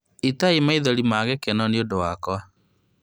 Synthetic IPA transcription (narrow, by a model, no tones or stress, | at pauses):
itaimaiðɔɾimaːɣɛkɛnɔneodowakwa